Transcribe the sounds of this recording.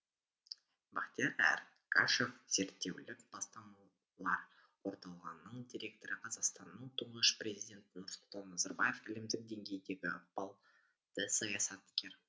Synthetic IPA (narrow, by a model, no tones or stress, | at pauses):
bɑqt̪ijeɾæ̰ɾ | kʰa̰ʃefz̥e̞ɾt̪ːe̞wlɪkb̥ɑst̪ɑmɑ | lˠɑɾ | wo̞ɾt̪ɑlˠʁɑnːəɴd̪ʲiɾʲe̞k̚t̪oɾɪqʰɑzɑqst̪ɑnːəɴt̪ʰuɴnəʃprʲe̞zijdʲe̞nt̪ɪnʊɾsʊlˠt̪ɑnːɑzɑɾbaje̞fɪlɪmd̪ɪk̚d̪e̞ŋɡʲe̞jd̪e̞ɡʲɪɑpɑlˠ | d̪̥əsɑjɑsɑt̪kʲe̞ɾ